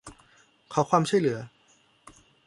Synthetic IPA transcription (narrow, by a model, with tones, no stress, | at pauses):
kʰa˨˦wkʰwaː˧mt͡ɕʰu˥˩jlɯ˩˦ɐ